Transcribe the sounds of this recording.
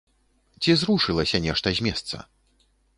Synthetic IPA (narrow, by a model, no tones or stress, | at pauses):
t͡sʲizɾuʂɨlˠɐsʲɐnʲɛʂt̪ɐzʲmʲɛst̪sɐ̰